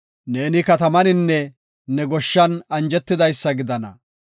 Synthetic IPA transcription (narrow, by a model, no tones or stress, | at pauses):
ne̞ːnɪkɐt̪ɐmɐnɪnːɛ | nɛɡɔʃːɐnɐnd͡ʒɛt̪ːɪd̪ɐjsːɐɡɪd̪ɐnɐ̰